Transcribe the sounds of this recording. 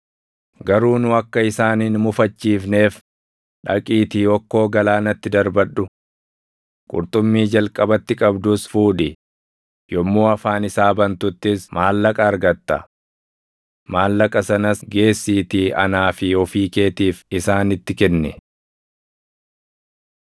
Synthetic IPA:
ɡɐɾuːnʊɐkːɐɪsaːnɪnmʊfɐt͡ʃːiːfne̞ːf | ᶑɐkʼiːt̪iːɔkːo̞ːɡɐlaːnɐt̪ːɪd̪ɐɾbɐɗʊ | kʼʊ̰ɾt̪ʼʊmːiːd͡ʒɐlkʼɐbɐt̪ːɪkʼɐbd̪ʊsfuːᶑɪ | jɔmːuːɐfaːnɪsaːbɐnt̪ʊt̪ːɪsmaːlːɐkʼɐːɾɡɐt̪ːɐ̰ | maːlːɐkʼɐsɐnɐsɡe̞ːsːiːt̪iːɐ̰naːfɪɔfiːke̞ːt̪iːfɪsaːnɪt̪ːɪkɛnːɛ

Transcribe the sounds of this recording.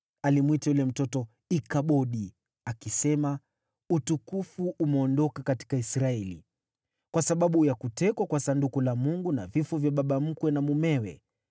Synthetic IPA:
alimwitajulɛm̩tɔtɔ | ikaɓɔɗi | akisɛma | utukufuʔumɛɔndɔkakati̥kaisɾaɛlḭ | kwasaɓaɓujakutɛkwakwasandukulamuŋɡuna̰vifɔvjaɓaɓam̩kwɛnamumɛwɛ̰

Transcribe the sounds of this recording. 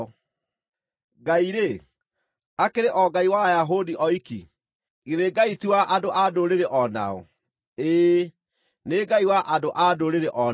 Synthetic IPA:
ɡaiɾe | akeɾeʔɔɡaiwajaɦodiʔɔikḭ | iðeɡaitiwaʔadoʔadoɾeɾeʔɔna̰ɔ̰ | eː | neɡaiwaʔadoʔadoɾeɾeʔɔ

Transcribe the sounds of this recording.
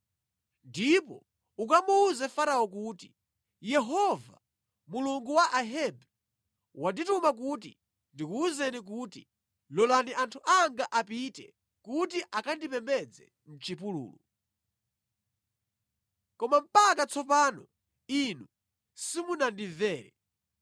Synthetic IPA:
ndipɔ̰ | ukamuːzɛfaɾawɔk̬uːti | jɛɦɔva̰ | muluŋɡuwaʔaɦɛbɛ | waditumak̬utḭ | ndikuːzɛnik̬uːtḭ | lɔlaniʔantʰuʔaŋɡaʔapitɛ | kut̬iʔakandipɛmbɛd͡zɛ̰ | n̩t͡ʃip̬ulṵːlu | kɔmam̩pakat͡sʰɔpaːnɔ | inu | simunandivɛːɾɛ

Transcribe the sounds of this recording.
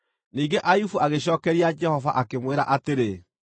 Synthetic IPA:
niːŋɡeʔajufuaɣeɕ̬ɔːkɛɾiad͡ʒɛhɔva̰ʔakemweɾaʔateɾe

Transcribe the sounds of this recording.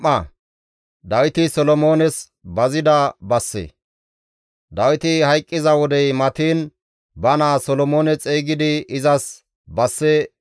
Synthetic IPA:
ɐ | d̪ɐwɪt̪ɪsɔlɔmo̞ːnɛs | bɐzɪd̪ɐbɐsːḛː | d̪ɐwɪt̪ɪhɐjkʼːɪzɐwɔd̪ɛjmɐt̪iːn | bɐnaːsɔlɔmoːnɛt͡sʼeːɡɪd̪ɪɪzɐs | bɐsːɛ

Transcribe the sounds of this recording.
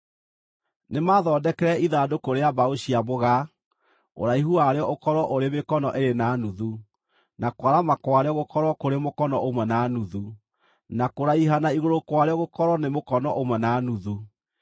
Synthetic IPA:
nemaðɔːdɛkɛɾɛiðadokoɾeabaoɕiamoɣa | o̰ɾaiɦuaɾeɔʔokɔɾɔʔoɾemekɔnɔʔeɾenanuðu | nakwaɾamakwaɾeɔɣokɔɾwɔkoɾemokɔnɔʔomwɛnanuðu | nakoɾaiɦanaiɣoɾokwaɾeɔɣokɔɾɔnemokɔnɔʔomwɛnanuðu

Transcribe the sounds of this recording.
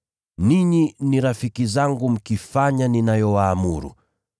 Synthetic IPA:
niɲiniɾafikizaŋɡum̩kifaɲaninajɔwaːmuɾṵ

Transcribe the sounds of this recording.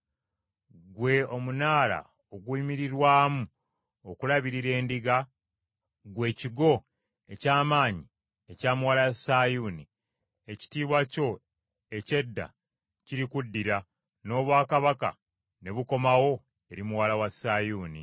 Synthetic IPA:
ɡwe̞omunaːla̰ | oɡwuimiɾiɾwaːmu | okulaβiɾiɾe̞ːndiɡa | ɡwe̞ːciɡo̞ | e̞caːmaːɲi | ecaːmuwalajasaːjuːni | e̞ci̥tiːβwaco̞ | e̞ce̞dːa̰ | ciɾikudːiɾa | no̞ːβwaːkaβaka̰ | ne̞βuko̞mawo̞ | e̞ɾimuwaːlawasaːjuːnḭ

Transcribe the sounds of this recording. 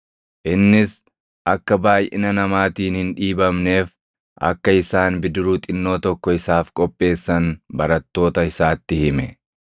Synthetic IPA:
ʔɪnːɪs | ʔɐkːɐbaːjʔɪ̰nɐnɐmaːt̪iːnhɪnᶑiːbɐmne̞ːf | ʔɐ̰kːɐɪsaːnbɪd̪ɪɾuːt̪ʼɪnːoːt̪ɔkːɔɪsaːfkʼɔpʼːe̞ːsːɐnbɐɾɐt̪ːo̞ːt̪ɐɪsaːt̪ːɪhɪmɛ

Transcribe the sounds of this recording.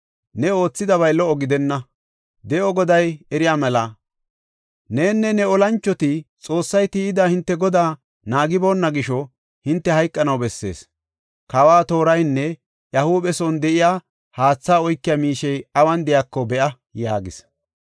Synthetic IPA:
nɛo̞ːt͡sːɪd̪ɐβɐjlɔʔɔɡɪd̪ɛnːɐ | d̪ɛɔɡɔd̪ɐjɛɾɪjaːmɛlɐ | neːnːɛnɛɔlɐnt͡ʃːɔt̪ɪt͡sʼo̞ːsːɐjt̪iːɪd̪ahɪnt̪ːɛɡɔd̪aː | naːɡɪbo̞ːnːɐɡɪʃɔ | hɪnt̪ːɛhɐjkʼːɐnɐwbɛsːe̞̰ːs | kɐwaːt̪o̞ːɾɐjnːɛ | jɐhuːbɛsɔnd̪ɛʔɪjaː | haːt͡sːaːɔjkːɪjamiːʃɛjɐwɐnd̪ɛjaːkːɔbɛʔɐ | ja̰ːɡɪs

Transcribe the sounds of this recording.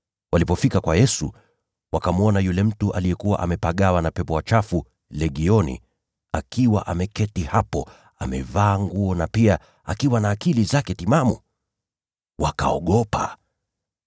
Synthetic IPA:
walipɔfikakwajɛsṵ | wakamuɔnajulɛm̩tuʔalijɛkuwa̰ʔamɛpaɠawanapɛpɔwat͡ʃafu | lɛɠiɔnḭ | akiwa̰ʔamɛkɛtihapɔ | amɛ̰vaːŋɡuɔnapia | akiwanaːkilizakɛtimamṵ | waka̰ɔɠɔpa̰

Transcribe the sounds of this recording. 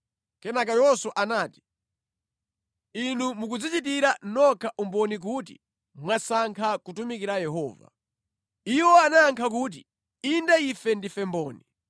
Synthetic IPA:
kɛnak̬ajɔsɔʔanaːti̥ | inumuk̬ud͡zit͡ʃit̬iɾanɔkʰaʔumbɔnik̬ut̬ḭ | mwasaŋkʰakutumikiɾajɛɦɔːva̰ | iwɔanaːŋkʰak̬uːt̬i | indaifɛndifɛmbɔːni

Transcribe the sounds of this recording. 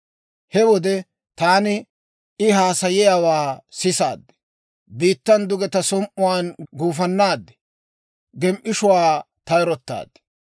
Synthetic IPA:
hɛwɔd̪ɛ | t̪aːnɪ | ʔɪhaːsɐjɪjaːwaːsɪsa̰ːd̪ːɛ̥ | biːt̪ːɐnd̪ʊɡɛt̪ɐsɔmʔʊwaːnɡuːfɐnːaːd̪ːɛ̥ | ɡɛmʔɪʃʊwaː | t̪ɐjɾɔt̪ːa̰ːd̪̥ːɛ̥

